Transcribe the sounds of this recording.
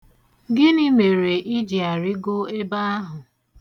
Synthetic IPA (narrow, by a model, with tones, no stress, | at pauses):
ɡɪ˦ni˦me˨ɾe˨ʔi˦d͡ʒi˨a˨ɾɪ˦ɡo˦e˦ba˦a˦ɦʊ˨